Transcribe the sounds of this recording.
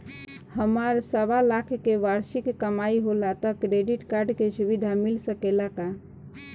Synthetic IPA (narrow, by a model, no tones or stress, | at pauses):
həmaɾsəʋalakʰkeʋaɾʃikːəmaiɦolat̪əkɾeɖiʈkaɾɖkesuʋid̪ʱamɪlsəkelaka